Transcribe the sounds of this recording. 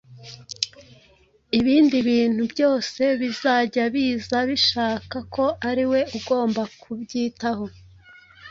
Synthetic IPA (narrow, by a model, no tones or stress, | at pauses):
iβiːndiβiːn̥hubɟo̞ːse̞βizaːɟaβiːzaβiʃaːkakʰo̞aɾiwe̞uɡo̞ːmbakʰubɟiːtaho̞